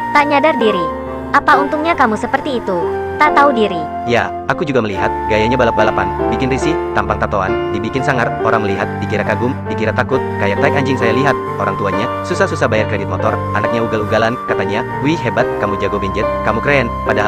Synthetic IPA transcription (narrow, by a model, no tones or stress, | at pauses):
t̪aɲadardiɾi | ʔapaunt̪uŋɲakamusəpərt̪iːt̪u | t̪at̪audiɾi | ja̰ | akud͡ʒuɡaməliɦat̪̚ɡajaɲabalap̚balapanbikɪnrisɪht̪ampaŋt̪at̪oa̰ndibikɪnsaŋaroɾaŋməliɦat̪̚dikiɾakaɡʊmdikiɾat̪akʊt̪̚kajat̪aikaɲd͡ʒɪŋsajaliɦat̪̚oɾaŋt̪uaɲa | susahsusahbajarkɾɛdɪt̪̚mɔt̪ɔ̰r | anak̚ɲauɡaluɡalankat̪aɲa | wiɦebat̪̚kamud͡ʒaɡobiɲd͡ʒɛt̪̚kamukɾeɛnpadaɦa